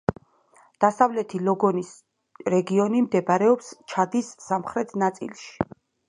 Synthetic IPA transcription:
d̪̥asavlɛt̪ʰilɔɡɔnis | ɾɛɡiɔnimd̪ɛbaɾɛɔpst͡ʃʰad̪isːamχɾɛt̪ʰnat̪sʼḭlˠʃi̥

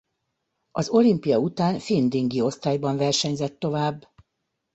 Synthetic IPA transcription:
ɒzo̞limpijɒut̪aːnfind̪iŋɡio̞st̪aːjbɒɱvɛrʃɛɲzɛt̪ːo̞vaːbː

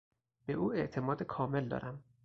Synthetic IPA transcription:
b̥eʔuːe̞ʔt̪ʰe̞mɒːd̪ekʰɒːme̞ld̪ɒ̰ːɾʔæm

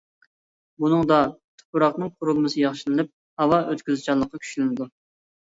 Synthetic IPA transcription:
bunɨŋd̪ɑt̪ʰʊ̥pʰuɾɑχnɨŋqʰʊɾulˠmɨsɨjɑχʃɨnɨlɪp̚ | hɑwɑʔøt̪kʲyzɪt͡ʃʰɑlˠːəqʰːɑkʲʰy̥ʃlɪnɪd̪u

